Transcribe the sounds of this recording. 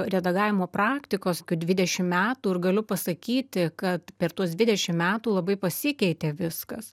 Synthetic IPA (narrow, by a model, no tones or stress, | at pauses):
ɾʲɛd̪ɐɡɑːʋʲɪmoːpɾɑːkt̪ʲɪkoːskʲuːd̪ʲʋʲɪd̪ʲɛʃʲɪmmʲæːt̪uːɪrɡɐlʲʊpɐsɐkʲiːt̪ʲɪkɐt̪pʲɛrt̪uɔsd̪ʲʋʲɪd̪ʲɛʃʲɪmmʲæːt̪uːlˠɐbɐɪpɐsʲɪkʲɛɪt̪ʲeːʋʲɪskɐs